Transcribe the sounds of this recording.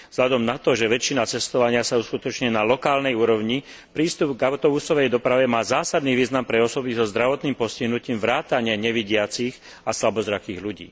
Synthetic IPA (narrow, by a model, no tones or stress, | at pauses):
vz̥ɦlad̪ɔmnat̪ɔʒɛʋɛt͡ʃːinat͡sɛst̪ɔʋaɲɪasauskut̪ɔt͡ʃɲɛnalɔkaːlnɛjuːɾɔʊɲi | pɾiːst̪ubɡaʊt̪ɔbusɔʋɛjd̪ɔpɾaʋɛmaːzaːsad̪niʋiːznampɾɛɔsɔbizɔzd̪ɾaʋɔt̪niːmpɔsciɦnuciːmʋɾaːt̪aɲɪaɲɛʋiɟɪat͡six | aslabɔzɾakiːɣluɟḭː